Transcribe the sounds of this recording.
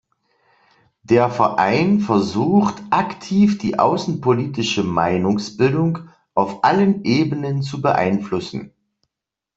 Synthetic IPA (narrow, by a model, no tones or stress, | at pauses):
d̥eːɐfɛɐʔa̰ɪnfɛɐzuːxtʔaktʰiːfd̥iːʔa̰ʊsn̩pʰoliːtɪʃəma̰ɪnʊŋsb̥ɪldʊŋ | ʔaʊfʔalənʔeːbənənt͡subəʔa̰ɪnflʊsn̩